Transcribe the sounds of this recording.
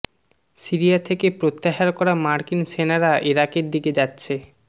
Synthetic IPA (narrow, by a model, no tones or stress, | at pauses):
siɾiat̪ʰekepɾot̪ːaɦaɾkɔɾamaɾkinsenaɾaʔiɾakeɾd̪iked͡ʑatːɕʰe